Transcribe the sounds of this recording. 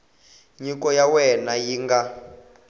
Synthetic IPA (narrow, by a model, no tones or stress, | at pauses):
ɲikɔjawɛnajiŋɡa